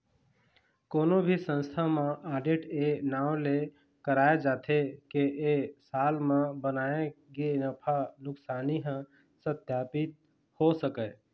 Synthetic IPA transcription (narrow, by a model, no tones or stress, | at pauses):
koːnobʱisə̃nst̪ʰamẽʔaːɖeʈenaːwle | kəɾaːed͡ʒaːt̪ʰekeʔesaːlmẽbənaːeɡenəpʰanʊksaːniɦə̃ | səd̪ʱjaːpɪt̪̚ | hosəkɛ